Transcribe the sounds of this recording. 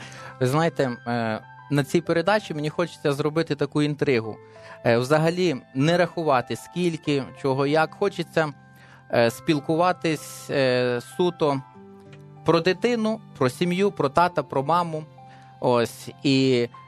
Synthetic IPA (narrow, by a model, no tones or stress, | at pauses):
ʋɪznɑjet̪ɛ | nɐt͡sʲipeɾed̪ɑt͡ʃimenʲixɔt͡ʃe̥t͡sʲːɐzɾɔbɪt̪ɪt̪ɐkuint̪ɾɪɦʊ̰ | wzɐɦɐlʲinɛɾɐxʊʋɑt̪ɪsʲkʲilʲkɪt͡ʃɔɦɔjɐkxɔt͡ʃet͡sʲːɐ | sʲpʲilˠkʊʋɑt̪ɪsʲ | sut̪ɔ | pɾɔd̪ɪt̪ɪnʊpɾɔsʲimjupɾɔt̪ɑt̪ɐpɾɔmɑmʊ | osʲi